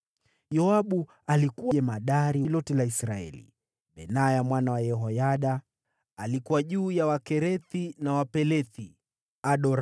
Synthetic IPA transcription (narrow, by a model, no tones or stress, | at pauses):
jɔaɓu | alikuwaɛmaɗaɾilɔtɛlaisɾaɛ̰lḭ | ɓɛnajamwanawajɛɦɔjaɗaː | likuwaʄuːjawakɛɾɛθinawapɛlɛθi | aɗɔɾ